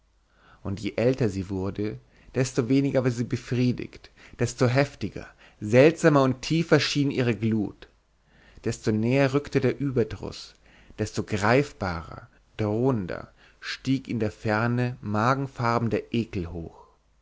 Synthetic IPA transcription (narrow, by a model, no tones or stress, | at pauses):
ʔʊntjḛːʔɛltɐziːvʊɐdə | d̥ɛstoveːnɪɡɐvaːɐziːbəfʁ̥iːdɪ̰ktd̥ɛstoɦɛftɪɡɐ̰ | zɛltz̥aːmɐʊntʰːiːfɐʃiːnʔiːʁəɡluːt | d̥ɛstonɛːɐʁʏktədeːɐʔyːbɐdʁʊ̰s | d̥ɛstoɡʁaɪfb̥a̰ːʁɐ̰ | d̥ʁoːəndɐ̰ | ʃtiːkɪndeːɐfɛɐnəmaːɡŋ̩faʁbm̩deɐʔeːkl̩ho̰ːx